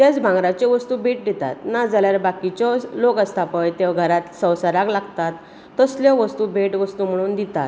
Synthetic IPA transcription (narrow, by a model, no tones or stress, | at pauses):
t̪jat͡sbʱãŋɡɾat͡ɕeʋəst̪uːbʱeʈ̚d̪it̪a̰t̪nad͡zaljaɾbakit͡ɕɔlokəst̪apəjt̪ewɡʱəɾat̪sə̃wsəɾaklaɡt̪at̪ː | əsljɔʋəst̪ubʱeʈʋəst̪uːm̤əɽ̃uːnd̪it̪a̰t̪